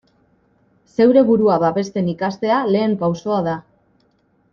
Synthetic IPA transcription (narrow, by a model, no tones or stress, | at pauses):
se̞wɾe̞βuɾuaβaβe̞st̪e̞nikast̪e̞ale̞ːmpawso̞aða